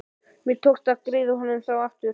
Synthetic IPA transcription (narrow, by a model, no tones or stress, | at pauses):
mɪt̪ʰowkst̪akɾɪːðʏɦɔnːʏmθawaft̪ʏ